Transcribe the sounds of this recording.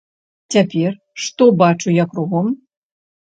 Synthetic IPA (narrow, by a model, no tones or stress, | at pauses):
t͡sʲapʲɛr | ʂt̪ɔbat͡ʂujakɾuɣɔm